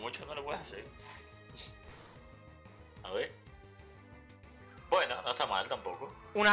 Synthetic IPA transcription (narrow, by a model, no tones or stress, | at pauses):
mut͡ʃonolopweðehaseɾ | aβeɾ | bwe̞nonoest̪amalt̪ampo̞ko | una